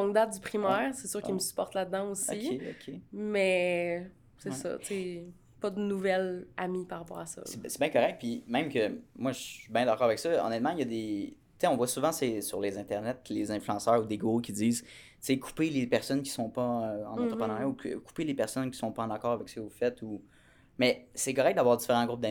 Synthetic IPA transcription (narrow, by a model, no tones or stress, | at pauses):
ɔ̃ŋd̪at̪̚d̪ypχimɛʁsesyːʁkiməsy̥pɔʁt̪lad̪ːɑ̃osɔieɔ̰kʰʲemɛ | sesʌ̰t͡se | pʌd̪ənuvɛlamipaʁapɑ̰ːʁasɔ̰sesɛbɛ̃kɔʁɛk̚t̪̚pimɛ̃mkʲəmwaʒəsɥibɛ̃d̪akɑːʁavɛksʌɔ̰nɛt̪mɑ̃jʌd̪e | t͡seɔ̃vwasuvɑ̃sesyʁlezɛ̃t̪ɛʁnɛt̪lezɛ̃flyɑ̃sœːʁud̪eɡʁokʲid͡ziːz | t͡sekʰu̥pelepɛʁsɔnkʲi̥sɔ̃pʌøɑ̰̃nɑ̃t̪χəpχənaʁjaukkʰu̥pelepɛʁsɔnkʲi̥sɔ̃pʌɑ̃nakɑːʁavɛksə̥kəvufɛt̪ʰu | mɛsɛkɔʁɛk̚d̪avwaːʁd̪zifeʁɑ̃ɡʁup̚d̪a